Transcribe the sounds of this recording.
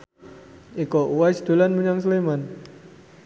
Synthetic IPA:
ikoʔuwajsd̪̥o̤lanməɲaŋs̬liman

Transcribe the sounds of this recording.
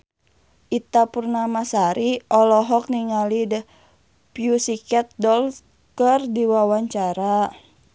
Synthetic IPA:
ʔit̪apurnamasaɾiʔɔlɔɦɔk̚niŋalidə | piusikɛt̪̚dɔl | kərdiwawaɲt͡ʃaɾa

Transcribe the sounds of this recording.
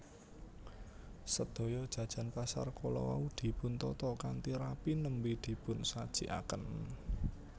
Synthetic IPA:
səd̪̥o̤jɔd̥ʒ̥ä̤d̥ʒ̥a̤npasa̰rkolɔ̰wa̰ud̪̥i̤pʊnt̪ɔt̪ɔkant̪iɾapinəmbid̪̥i̤pʊnsad̥ʒ̥i̤ʔa̰kən

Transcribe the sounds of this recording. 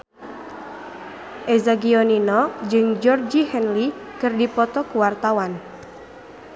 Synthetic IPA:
ʔezaɡiɔninɔd͡ʒɨŋd͡ʒɔrd͡ʒihɛnlikɨrdipɔt̪ɔkuwart̪awan

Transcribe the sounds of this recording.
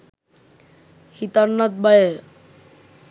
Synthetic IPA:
hit̪anːat̪̚baje

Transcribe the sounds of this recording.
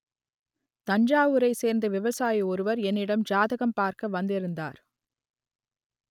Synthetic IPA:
t̪ɐɲd͡ʒaːʋɯɾɐɪseːɾnd̪ɯʋɪʋɐsaːjiɔɾɯʋɐɾɛnːɪɽɐmd͡ʒaːðɐɣɐmpaːɾkɐʋɐnd̪ɪɾɯnd̪a̰ːɾ

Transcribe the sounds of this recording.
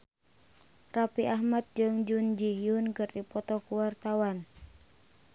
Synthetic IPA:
rapiʔahmat̪̚d͡ʒɨŋd͡ʒund͡ʒiɦijunkɨrdipɔt̪ɔkuwart̪awan

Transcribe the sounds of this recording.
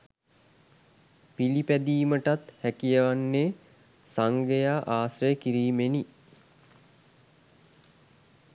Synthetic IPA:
pilipæd̪iːməʈat̪hækijəʋanːeː | saŋɡejaːʔaːsrejəkiɾiːmeni

